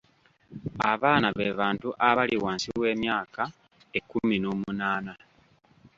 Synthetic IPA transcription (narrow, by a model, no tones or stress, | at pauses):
aβaːnaβeːβaːntuʔaβaliwaːnsiwe̞ːmjaːka | ekːumino̞ːmunaːna